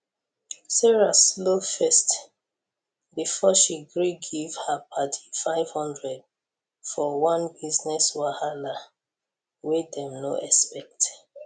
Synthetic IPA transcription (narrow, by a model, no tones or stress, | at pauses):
sɛɹaslofɛst | bifɔʃiɡɹiɡivhapʰatʰi̥faɪv̥hɔ̃ndɹɛd̚ | fɔwɔ̃nbiznɛswahala | wedɛ̃mno̰ʔɛspɛk̚t